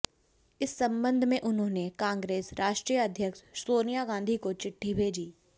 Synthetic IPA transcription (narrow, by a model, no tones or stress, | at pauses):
ɪsːɐ̃mbə̃nd̪ʱmẽʔʊnɦõːnekãːŋɡɾeːsɾaːʃʈɾijəɐd̪ʱjəkʃsoːnijaɡãːnd̪ʱikot͡ʃɪʈʰːibʱeːd͡ʒiː